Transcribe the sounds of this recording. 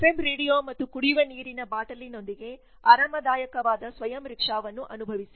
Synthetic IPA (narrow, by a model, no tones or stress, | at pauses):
pemɾeːɽijoːmɐt̪ːukuɽiʋɐniːɾinɐbaːʈɐlino̞nd̪iɡe̞ | aːɾɐmɐd̪aːjɐkɐʋaːd̪ɐsʋɐjɐmɾikʂaːʋɐnːuʔɐnubʱɐʋisi̥